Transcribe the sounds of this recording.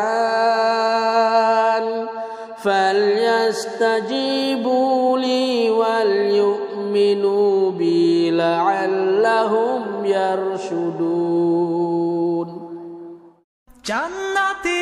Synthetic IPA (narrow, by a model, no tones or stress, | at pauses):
n | faljast̪ad͡ʒiːbuliːwaljʊʔ | mɪnubɪlaʕalːaɦʊmjaɾʃʊd̪uː | n | d͡ʒanːat̪